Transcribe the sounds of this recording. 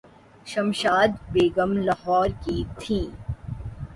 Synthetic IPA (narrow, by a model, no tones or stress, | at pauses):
ʃɐmʃaːd̪beːɡəmlaɦɔːɾkit̪ʰĩː